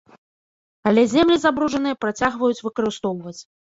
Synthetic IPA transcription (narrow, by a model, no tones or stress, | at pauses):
ɐlʲɛzʲɛmlʲizabɾuʐɐnɨjɐpɾat͡sʲaɣvɐjut͡sʲvɨkɐɾɨst̪ɔwvɐt͡sʲ